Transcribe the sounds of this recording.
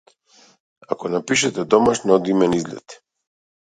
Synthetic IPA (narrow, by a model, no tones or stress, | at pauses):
a̰kɔnapiʃɛt̪ɛd̪ɔmaʃnɔd̪imɛnizlʲɛ̰t̪